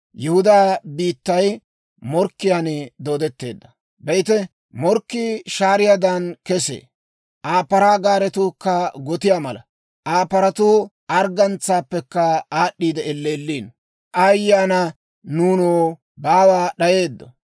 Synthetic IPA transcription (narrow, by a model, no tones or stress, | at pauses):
jɛhʊd̪aːbiːt̪ːɐj | mɔɾkːɪjand̪o̞ːd̪ɛt̪ːe̞ːd̪ːɐ | bɛjt̪ɛ | mɔɾkːiʃaːɾɪjad̪ankɛsḛː | ʔaːpːɐɾaːɡaːɾɛt̪ʊkːɐɡɔt̪ɪjaːmɐlɐ̰ | ʔaːpɐɾɐt̪ʊː | ɐɾɡɐnt͡sːaːpːɛkːɐaːɗːiːd̪ɛɛlːeːlːiːn | ʔɐjːaːnɐ | nuːnoː | baːwaːɗɐje̞ːd̪ːɔ̰